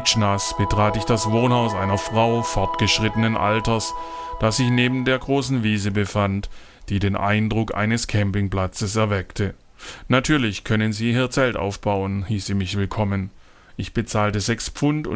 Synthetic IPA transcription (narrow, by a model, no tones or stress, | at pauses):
ʃnasb̥ətʁ̥aːtɪçd̥asvoːnhaʊsʔa̰ɪnɐfʁ̥aʊfɔɐtɡ̥əʃʁ̥ɪtənənʔa̰ltɐs | d̥asz̥ɪçneːbm̩deːɐɡʁoːsn̩viːzəbəfant | d̥iːdeːnʔa̰ɪndʁʊkʔa̰ɪnəskʰɛmpɪŋpl̥at͡səsɛɐvɛktʰə | natʰyːɐlɪçkʰœnənziːhiːɐt͡sɛlta̰ʊfb̥aʊənhiːsz̥iːmɪçv̥ɪlkʰɔmən | ʔɪçb̥ət͡saːltəzɛkspp͡fʊntʊ̰